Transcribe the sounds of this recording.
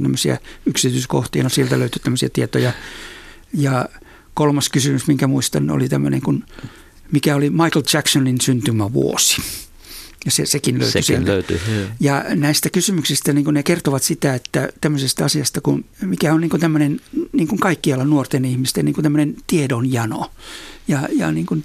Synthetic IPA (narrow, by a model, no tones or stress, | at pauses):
t̪æmːøsiɑ̰yksit̪yːsko̰ht̪ḭːnosielt̪æløyt̪yt̪æmːøsiɑt̪iet̪ojɑ | jɑ | kolmɑskysymysmiŋkæmuist̪ɑno̰lit̪æmːø̰nḛŋkun | mikæolimɑiklt͡ʃæksoninsynt̪ymæʋṵo̰si̥ | jɑsḛsekinlø̰ysysieløyyjɑnæist̪ækysymyksist̪æniːŋkunnekert̪oʋɑt̪sit̪æet̪ːæt̪æmːøsest̪ɑɑsiɑst̪ɑkunmikæonniːŋkunt̪æmːønenniːŋkuŋkɑikːiɑlːɑnuort̪enihmist̪eniːkunt̪æmːønent̪iedonjɑno̰jɑjɑ̰niːŋkun